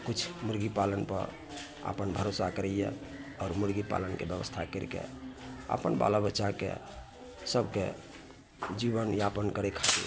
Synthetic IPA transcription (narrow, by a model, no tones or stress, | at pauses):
kut͡ʃʰmuɾɡipalənpə̰ɾ | a̰pənbʱəɾosakəɾəjjɛ̰ɔːɾmuɾɡipa̰lənkḛbjəbə̰st̪ʰakəɾkḛa̰pənba̰labətːʃakḛ | səbke | d͡ʒibənjapənkəɾekʰad̪ḭ